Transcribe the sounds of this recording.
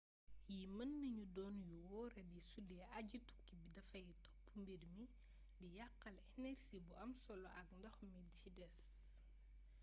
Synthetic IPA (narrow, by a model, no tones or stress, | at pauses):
jimɐnːəɲudɔːnjuwɔːɾɐdisudɛɐɟitu̥kːibidɐfɐjitɔpːumbirmi | dijɐqːɐlɛnɛrsibuɐmsɔlɔʔɐkndɐxmicidɛs